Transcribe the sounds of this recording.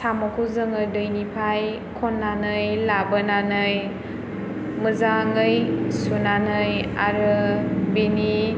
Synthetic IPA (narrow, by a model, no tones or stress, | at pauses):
samakʰuzɯŋɯdɯjnipʰaj | kʰɔnːanɯjlabənanɯj | mɯzaŋɯjsunanɯja̰ɾɯbeni